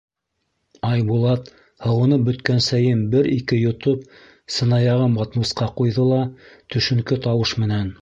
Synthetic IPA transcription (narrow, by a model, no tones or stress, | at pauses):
ɑjbulˠɑt̪ | hɤ̆wɤ̆nɤp̚bɵ̆t̪kænsæjɘmbɘɾikɘjŏt̪op̚ | sɤ̆nɑjɑʁɤmɑt̪musqɑqujðɤlˠɑt̪ɵ̆ʃɵ̆ŋkɘt̪ɑwɤʃmɘ̆næn